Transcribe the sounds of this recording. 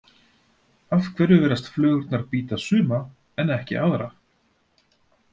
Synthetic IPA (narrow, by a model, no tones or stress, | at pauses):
afkʰvɛɾʏvɛːɾast̪flœːɣʏɾt̪naɾpiːt̪asʏːma | ɛnɛhcɪ̰ʔa̰ðɾa